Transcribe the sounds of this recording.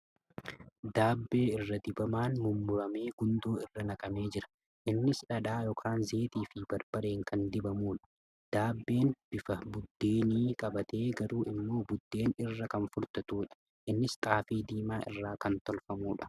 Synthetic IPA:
d̪aːbːe̞ːɪrːɐd̪ɪbɐmaːnmʊmːʊɾɐme̞ːɡʊnd̪oːɪrːɐnɐkʼɐme̞ːd͡ʒɪɾɐ̥ | ʔɪnːɪsᶑɐᶑaːjɔːkʰaːnzeːt̪iːfɪbɐɾb̥ɐɾe̞ːŋkʰɐnd̪ɪbɐmuːᶑɐ̥ | d̪̥aːbːe̞ːnb̥ɪfɐbʊd̪ːe̞ːniːkʼɐbɐt̪ʰe̞ːɡɐɾuːʔɪmːo̞ːbʊd̪ːe̞ːnɪrːɐkɐnfʊɾt̪ɐt̪uːᶑɐ̥ | ʔɪnːɪst̪ʼaːfiːd̪iːmaːʔɪ̰rːaːkɐnt̪ɔlfɐmuːᶑɐ̥

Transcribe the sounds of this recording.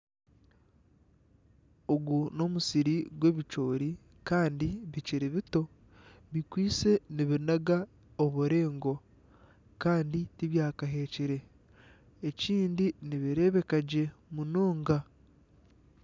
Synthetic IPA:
oɡuno̞musiɾiɡwe̞βit͡ʃo̞ːɾi | kaːndiβiciɾiβito̞ | βikwiːt͡se̞niβinaɡa | oβuɾe̞ːŋɡo̞ | kaːnditiβjaːkaɦe̞ːciɾe̞ | eciːndiniβiɾe̞ːβe̞kaɟe̞munoːŋɡa

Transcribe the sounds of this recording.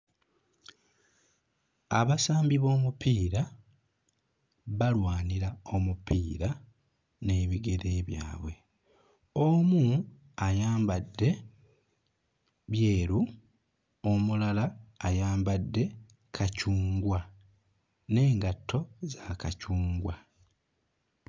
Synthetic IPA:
a̰βasaːmbiβo̞ːmupʰiːɾa | βalwaːniɾao̞mupiːɾa | ne̞ːβiɡe̞ɾe̞ːβja̰ːβwe̞ | omu | ajaːmbadːe̞ | βje̞ːɾu | omulalaːjaːmbadːe̞ | kʰacuːŋɡwa | ne̞ːŋɡatʰːo̞zakacuːŋɡwa

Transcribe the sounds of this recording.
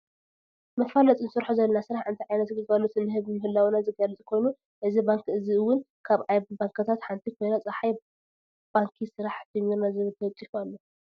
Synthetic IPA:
mɐfalɐt̪ʼɨnɨsɨɾħuzɐlɐnasɨɾaħʔɨnt̪ʰiʕajnɐt̪ɡɨɡalot̪nːɨɦɨβmɨhɨlːawnazɨɡalɨt͡sʼikʰo̞jnu | ʔɨzibaŋkɨziɨwːʊn | kʰaβʕajbaŋkʰɐt̪ʰat̪ħant̪ʰikʰo̞jnat͡sʼɐħaj | b̥aŋkʰisɨɾaħd͡ʒɨmiɾnazɨβɨlt̪ʰɐwt͡sʼikualːo

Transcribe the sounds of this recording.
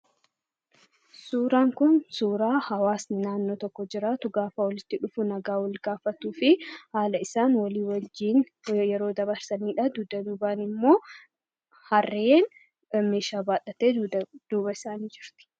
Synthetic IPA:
suːɾaːŋkʊnsuːɾaːhɐwaːsnɪnaːnːo̞ːt̪ɔkːɔd͡ʒɪɾaːt̪ʊɡaːfɐwɔlɪt̪ːɪᶑʊfʊnɐɡaːwɐlɡaːfɐt̪uːfɪhaːlɐɪsaːnwɐliːwɐd͡ʒiːn | jɛɾo̞ːd̪ɐbɐɾsɐniːᶑɐd̪uːd̪ɐd̪uːbaːnɪmːo̞ː | hɐrːeːn | meːʃaːbaːᶑɐt̪eːd̪̥uːbɐɪsaːniːd͡ʒɪɾt̪ɪ̥

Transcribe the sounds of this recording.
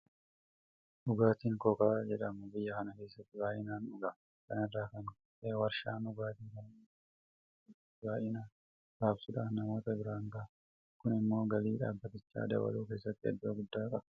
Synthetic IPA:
ʔʊɡaːt̪iːŋkɔkaːd͡ʒɛᶑɐmʊbɪjːɐkɐnɐke̞ːsːɐt̪ːɪbaːʔɪnaːnʊɡɐ | kɐnɐdːaːkɐn | ewɐɾʃa̰ːnʊɡaːt̪iːŋkɐn | baːʔɪnaː | ɡaːbsʊᶑaːnɐmo̞ːt̪ɐbɪɾaːŋɡa | kʊnɪmːo̞ːɡɐliːᶑa̰ːbːɐt̪ɪt͡ʃːa̰ːd̪ɐ̰wɐ̰luːke̞ːsːɐt̪ːɪɐ̰d̪ːʊɐɡʊd̪ːaːkʼɐb

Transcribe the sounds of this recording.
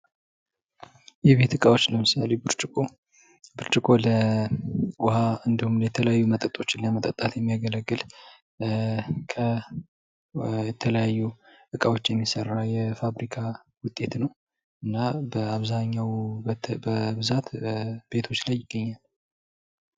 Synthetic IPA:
jɛβe̞t̪ɨkʼawo̞t͡ʃːləmɨsalebɨɾt͡ʃʼkʼo | bɨɾt͡ʃʼɪkʼo̞lə | wʊhaɨnd̪ihumljɛt̪ʰələjajːumət̪ʼət̪ʼo̞t͡ʃːɪnləmət̪ʼət̪ʼːat̪jɛmːijaɡələɡːɨl | kʰə | jɛt̪ʰələjajːuʔɨkʼawo̞t͡ʃːjɛmːisərːajɛfaβɾikʰa | wʊt̪ʼːe̞t̪nəw | ʔɨnːabəaβzaɲːawbəbɨzat̪b̥e̞t̪ʰo̞t͡ʃːlajːɪɡːəɲːal

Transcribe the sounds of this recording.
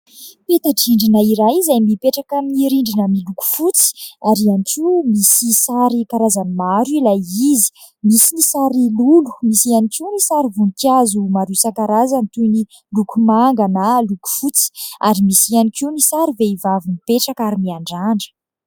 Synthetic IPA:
pet̪aʈ͡ʂiɳɖ͡ʐinəiɾajzajmipeʈ͡ʂakaniɾiɳɖ͡ʐinəmiluku̥fut͡si̥aɾianikʰiumisisaɾikaɾazanimaɾuilajizi̥ | misinisaɾilulu̥misianikinisaɾivunikjazumaɾusakaɾazant̪ujni | lukumaŋɡanaluku̥fut͡si̥aɾimisianikiunisaɾiveivavinipeʈ͡ʂakaɾimiaɳɖ͡ʐaɳɖ͡ʐə̥

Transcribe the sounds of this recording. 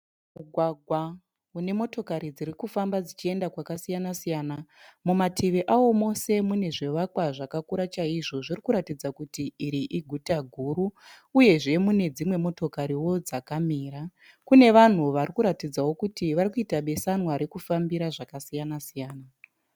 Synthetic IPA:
muɡʱwaɡʱwa | une̞mo̞to̞kaɾid͡zirikufambad͡zit͡ʃie̞ndakwakasijanasijanamumatʰiʋeʔawo̞mo̞se̞mune̞ʐe̞ʋakwaʐakakuɾat͡ʃaiʐo̞ʐirikuɾatid͡zakutiiɾiʔiɡʱutaɡʱuɾuː | je̞ʐe̞mune̞d͡zimwe̞mo̞to̞kaɾiwo̞d͡zakamiːɾa | kune̞ʋan̤uʋarikuɾatid͡zawo̞kutiʋarikuitaɓe̞sanwaɾe̞kufambiɾaʐakasijanasijaːna

